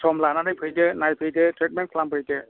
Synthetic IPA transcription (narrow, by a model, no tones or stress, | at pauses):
sʰɔmlananajpʰɯjdɯnajpʰɯjdɯtʰɾet̚mɛnkʰlambɯjdɯ